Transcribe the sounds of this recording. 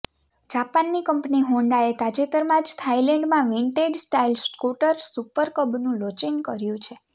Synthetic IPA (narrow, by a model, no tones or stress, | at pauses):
d͡ʒapanːikəmpniɦõɳɖaet̪ad͡ʒet̪əɾmãd͡ʒt̪ʰailẽɳɖmãʋiɳʈeɖsʈailskuʈəɾsupəɾkəbnũlot͡ʃiŋɡkəɾjũt͡ʃʰe